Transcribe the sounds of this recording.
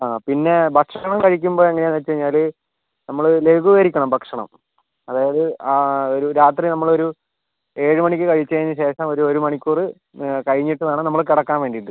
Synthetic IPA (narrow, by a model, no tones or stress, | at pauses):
aːpinːe̞bʱɐkʂɐɳɐmkɐɻikʲːumboːeŋːɐneaːnʋɐt͡ɕːuʋɐɻɲːaːl | nɐmːɐɭɨleɡuʋɐɾikʲːɐɳɐmbʱɐkʂɐɳɐ̰m | ɐðaːjɐðɨaːoɾuɾaːt̪̬rinɐmːɐɭo̞ɾu | e̞ːɻɨmɐɳikʲːɨkɐɻit͡ɕːɐɐjiɲːɨɕe̞ːʂɐmo̞ɾuɾumɐɳikʲːuːrɨ | kɐɻiɲːiʈːɐðaːɳɨnɐmːɐɭkiɽɐkːaːnʋeːɳɖiʈːɨ